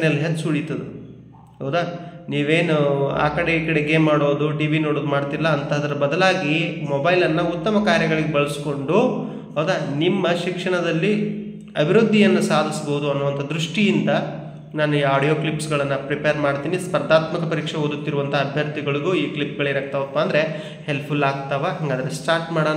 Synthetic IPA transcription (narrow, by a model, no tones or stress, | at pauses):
njɐlːɦetːsuɭit̪ːɐd̪u | ɦɐwd̪aniːʋeːnua̰ːkɐɽeiːkɐɽeɡemːaːɽoːd̪uɖiːʋinoːɽoːd̪umaːɽt̪ilːɐːnt̪ɐɐd̪ɐɾɐbɐd̪ɐlaːɡimobɐjlɐnːɐut̪ːɐmɐkaːɾjɐɡɐɭiɡebɐɭusko̞ɳɖu | ɦɐwd̪aːnimːɐʃikʂɐɳɐd̪ɐlːi | ɐbʱiɾud̪ʱːijɐnːusaːd̪ʱisboːud̪uɐnːuʋɐnt̪ʰɐd̪ɾuʂʈijind̪ɐ | naːnuiːaːɽijoːklipsɡɐɭɐnːɐpɾipeɐɾmaːɽt̪iːnispɐɾd̪aːt̪mɐkɐpɐɾiːkʂeod̪ut̪ːiɾuʋɐnt̪ʰɐːbʱjɐɾt̪iɡɐɭiɡuːiːklipːɡɐɭeɾɐk̚t̪ɐʋɐpːaːnd̪ɐɾe̞ | he̞lppʰulaːɡt̪ɐʋɐɦɐŋɡaːd̪ɐɾesʈaːɾʈmaːɽo